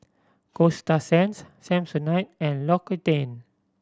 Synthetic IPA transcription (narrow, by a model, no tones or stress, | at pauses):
kostasɛ̃nssɛ̃msɔnajt̚ɛ̃nlɔkitẽn